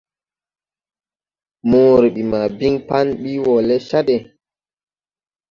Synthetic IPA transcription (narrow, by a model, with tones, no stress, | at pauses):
moː˦ɾi˨ɓi˨ma˨bi˦ŋpa˦nɓi˦wɔ˨lɛ˦ʃa˦ɗɛ˨